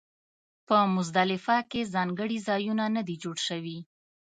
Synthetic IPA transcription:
pəmʊzd̪alɪfɑkezɑŋɡəɽizɑjunanəd̪id͡ʒoɽʃəwi

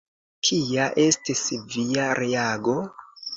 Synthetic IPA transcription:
kʰijaʔe̞stisvijaɾʔeaɡo̞

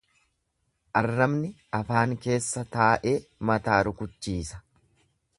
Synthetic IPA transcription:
ʔɐrːɐmnɪʔɐfaːŋke̞ːsːɐt̪aːʔe̞ːmɐt̪aːɾʊkʊt͡ʃːiːsɐ̥

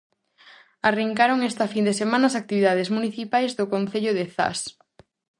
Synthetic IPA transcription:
ariŋkaɾoŋest̪afind̪esemãnasak̚t̪iβiðað̞ezmuniθipajzðʊkonθeʎʊðeθa̰s

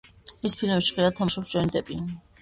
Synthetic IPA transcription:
ispʰilmɛpsʃi̥χilat̪ʰamuʃɔpst͡ʃʰwɛnid̪ʼɛpʼi

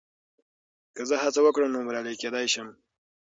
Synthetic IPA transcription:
kəzəɦat͡sawəkɽəmnoməɾɑləjked̪ɑjʃəm

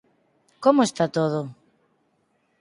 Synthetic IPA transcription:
komoest̪at̪oð̞o

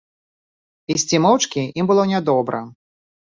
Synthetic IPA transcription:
isʲt͡sʲimɔwt͡ʂkʲiimbɨlˠɔnʲɛd̪ɔbɾɐ

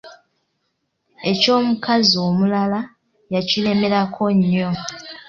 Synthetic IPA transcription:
e̞co̞ːmukazioːmulala | jacile̞me̞ɾakʰo̞ɲːo̞

